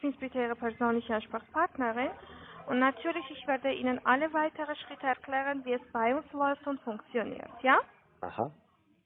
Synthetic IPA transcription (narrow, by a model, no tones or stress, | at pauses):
ɪb̥ɪnsb̥ɪtʰəiːʁəpʰɛɐzoːnlɪçəanʃpʁɔspʰaʁtnəʁɪnʊntnatʰyːɐlɪçɪçv̥ɛːɐdəʔiːnənʔaləvaɪtʰəʁəʃʁ̥ɪtəɛɐkʰlɛːʁənviːɛsb̥aɪʊnslɔʏftʊntfʊŋkt͡sjonḭːɐtʰjaː | ʔa̰ha̰